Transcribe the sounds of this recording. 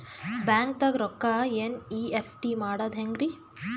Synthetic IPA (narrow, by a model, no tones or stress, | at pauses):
baːŋk̚t̪ɐɡɾɔkːaeniːepʰʈimaːɽad̪ɦeŋɡɾi